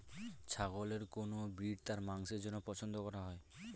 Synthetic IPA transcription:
t͡ɕʰaɡoleɾkonobɾiɖt̪aɾmaŋʃeɾd͡ʑonːopɔt͡ɕʰond̪okɔɾaɦɔe

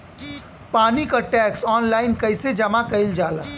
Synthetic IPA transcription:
panikəʈɛksɔnlaɪnkəjsed͡ʒəmakəɪld͡ʒalə̰

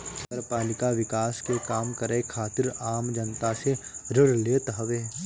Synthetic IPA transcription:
ɐɾpaːlɪkaʋɪkaːskekaːmkəɾekʰaːt̪ɪɾaːmd͡ʒɐnt̪aseɾɪɽleːt̪ɦɐʋeː

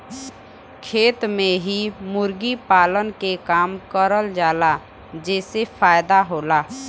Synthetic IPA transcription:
kʰeːt̪mẽɦimʊɾɡipaːlənkekaːmkəɾəld͡ʒaːla | d͡ʒɛːsefaːjd̪aɦoːlaː

